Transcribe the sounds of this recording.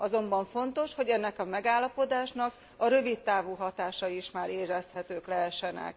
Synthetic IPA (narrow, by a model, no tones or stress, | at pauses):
ɒzo̞mbɒɱfo̞nt̪o̞ʃho̞ɟɛnːɛkɒmɛɡaːlːɒpo̞d̪aːʃnɒk | ɒɾø̞vit̪ːaːvuɦɒt̪aːʃɒiʃmaːɾeːrɛst̪hɛt̪øːklɛɦɛʃːɛnɛ̰k